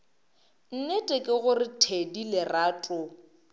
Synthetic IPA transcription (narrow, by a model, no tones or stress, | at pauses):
n̩netʼɛkʼɪɣʊrɪtʰedilɪraːtʼʊ